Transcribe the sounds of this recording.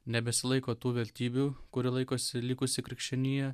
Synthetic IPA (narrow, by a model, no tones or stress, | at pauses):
nʲɛbʲɛsʲɪlˠɐɪkoːt̪uːʋʲɛlʲt̪ʲiːbʲuːkʊɾʲɪlˠɐɪkoːsʲɪlʲiːkʊsʲɪkɾʲɪkʃʲt͡ʃʲɛnʲɪjɛ